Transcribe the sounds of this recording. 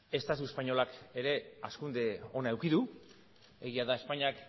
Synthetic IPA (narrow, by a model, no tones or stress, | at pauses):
e̞st̪at̪̬ue̞spaɲo̞lake̞ɾe̞askund̪e̞o̞nae̞wkiðu | e̞ɣiaðae̞spaɲiak